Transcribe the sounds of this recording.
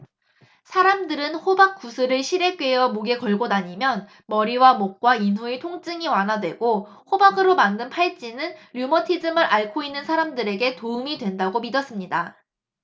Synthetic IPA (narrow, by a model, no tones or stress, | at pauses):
sʰaɾamdɯɾɯnɸobak͈̚usʰɯɾɯɭɕʰiɾe̞k͈ɥejʌmoɡe̞kʌɭɡonaɲimjʌn | mʌɾiwamok̚k͈wainɦuetʰoŋt͡ɕ͈ɯŋiwanɦadwe̞ɡo | ɸobaɡɯɾomandɯnpʰaɭt͡ɕ͈inɯnɾjumʌtʰid͡ʑɯmɯɾʔaɭkʰoinːɯnsʰaɾamdɯɾe̞ɡe̞toɯmidwe̞ndaɡomidʌs͈ɯmɲida